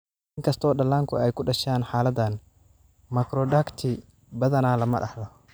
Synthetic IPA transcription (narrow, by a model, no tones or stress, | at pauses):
ʔɪŋkʰɐst̪ʰɔːɗɐlːaːŋkʰʊ̰ɛjkʰʊɗɐʃaːnħaːlɐd̪ːɐn | mɐkɾɔɖakt̪ʰɪ | bɐðɐnaːlɐmɐ̰ɗɑ̰ħdɔ